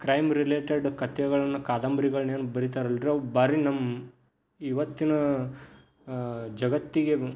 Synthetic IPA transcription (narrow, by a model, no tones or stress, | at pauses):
kɾɐjmɾileːʈeɖkɐt̪jɐɡɐɭɐnːɐkaːd̪ɐmbɾiɡɐɭɐneːnubɐɾit̪aːɾɐliɾobaːɾinɐmː | iʋɐt̪ːinɐ | d͡ʒɐɡɐt̪ːiɡe̞